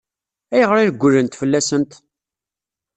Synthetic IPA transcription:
æjəʁəɾɪɾɡʷːʊlənt̪fəlːæsənt̪

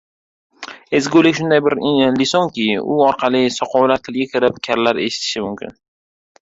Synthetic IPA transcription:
e̞zɡʲolɪkʲʃʊnd̪ajbɪɾlɪsoŋkʲɪʊ̰ɒɾqʰɑlˠɪsɒqʰɒwlaɾt̪ʰɪlɡʲakʲʰɪɾɪpkʲʰaɾlaɾe̞̰ʃɪ̥t̪ʰɪ̥ʃɪmʊmkʲʰɪ̰n

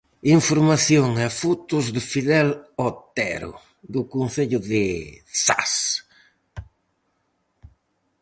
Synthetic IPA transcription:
iɱfoɾmaθjoŋɛfut̪ʊzðɪfiðɛlɔt̪ɛ̰ɾʊ̰ | d̪ʊkonθeʎʊðɪsa̰s

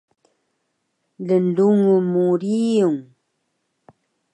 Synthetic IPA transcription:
lənduŋumuɾiuŋ

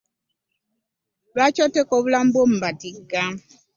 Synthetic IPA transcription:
βacotekoβulambom̩βatiɡːa

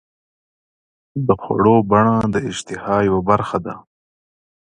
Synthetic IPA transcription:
d̪əxwa̰ɽobaɳad̪əɪd͡ʒt̪ɪhɑjawabaɾxad̪a̰

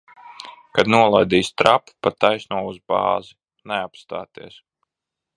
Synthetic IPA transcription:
kad̪nuɔlˠajd̪iːst̪ɾappat̪ajsnuɔuzbɑ̰ːzi | neapst̪a̰ːt̪iɛs

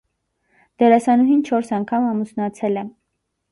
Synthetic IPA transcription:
d̪̥ɛɾɑsɑnuɦint͡ʃʰɔɾsɑŋkʰɑmɑmusnɑt͡sʰɛlɛ

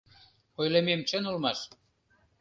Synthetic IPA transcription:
ojlememt͡ɕə̆nulmɑʃ

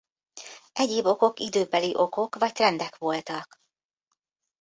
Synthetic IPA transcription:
ʔɛɟeːbo̞ko̞kid̪øːbɛliʔo̞ko̞kʋɒct̪rɛnd̪ɛkʋo̞lt̪ɒk

